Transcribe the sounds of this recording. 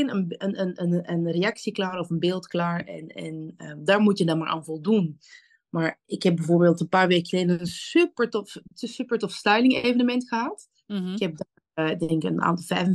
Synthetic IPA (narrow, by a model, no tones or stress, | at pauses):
ɪnənənənənənreɑksiklaːɾɔfənbɪːlˠtklaːɹɛ̰nɛ̰nədaːɹmutjədɑnmaːɹʔa̰ːnvɔlˠdun | maːɹɪkhɛb̚bɛvoːɹbeːlˠtənpaːɹʋeːkxəleːdəənsypəɹtɔfsypəɹtɔfstœɥlɪŋeːvənəmɛntxəɦat | ɪkhɛp̚da | ɪdɛŋkə̰na̰ːntɑlˠvɛjfə